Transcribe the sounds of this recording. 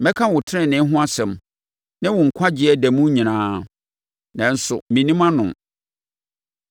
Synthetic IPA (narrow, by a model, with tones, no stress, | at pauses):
mɛ˦kʰa˦wʊ˨tʰɪ˦ɛ̃˨nɪ̃˦ɦʊ̃˦a˦sɛ̃˨m | nɪ̃˦wʊ̃˨ŋ̩˨kʷʰa˦d͡ʑɪ˦ɛ˦dæ˨mũ˦ɲĩ˨nãː˦ | nã˨n̩˦sʊ˨mĩ˨nĩ˦mã˦nʊ̃˨